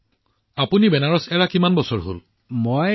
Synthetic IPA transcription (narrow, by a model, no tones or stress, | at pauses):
apunibɛnaɹɔsɛɹakimanbɔsɔɹɦo̰l | moj